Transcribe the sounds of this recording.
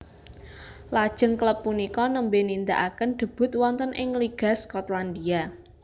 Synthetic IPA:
lad̥ʒ̥ə̤ŋkləpːunikɔnəmbenind̪a̰ʔakənɖ̪̥ə̤b̥ʊ̤t̪̚wɔnt̪ənʔɪŋliɡ̥a̤skɔt̪land̪ia

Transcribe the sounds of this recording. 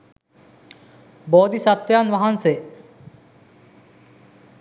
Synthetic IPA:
boːd̪isɐt̪ʋjaːnʋɐɦanse

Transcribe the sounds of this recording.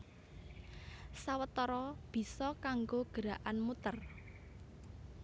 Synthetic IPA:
sawət̪ɔɾɔb̥i̤sɔkaŋɡoɡ̥ə̤ɾaʔanmut̪ər

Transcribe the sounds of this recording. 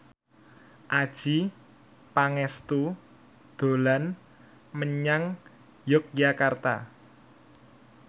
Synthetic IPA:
ʔad̥ʒ̥i | paŋɛst̪u | d̪̥o̤lan | məɲaŋ | jʊk̚d͡ʒakart̪a̰

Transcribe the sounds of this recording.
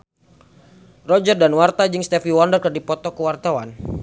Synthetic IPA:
rɔd͡ʒərdanwart̪ad͡ʒɨŋst̪ɛfiwɔndərkərdipɔt̪ɔkəwart̪awan

